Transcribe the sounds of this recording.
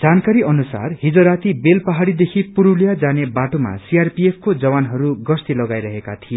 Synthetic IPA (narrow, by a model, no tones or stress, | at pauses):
d͡zankaɾiʌnusa̰rhid͡zoɾat̪ibelpʌɦaɽid̪ekʰipuɾuljad͡zanebaʈoma̰siarpiepʰkod͡zʌwanɦʌɾuɡʌst̪ilʌɡajɾʌɦekat̪ʰije